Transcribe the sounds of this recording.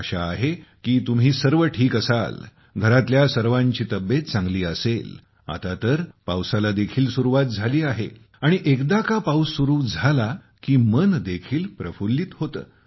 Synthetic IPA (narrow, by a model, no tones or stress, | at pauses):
əɕa̰ːɦekiːt̪um̤iːsəɾʋəʈʰiːkəsa̰l | ɡʱəɾat̪ljasəɾʋãɲt͡ɕiːt̪əbjet̪̚t͡sãŋɡliːəsel | a̰t̪at̪əɾpawsalad̪ekʰiːlsuɾuʋat̪̚d͡zʱaliːaɦe | aɽ̃iʔekd̪akapawsːuɾuːd͡zʱala | kiːmənd̪ekʰiːlpɾəfulːiːt̪ɦot̪ə̰ː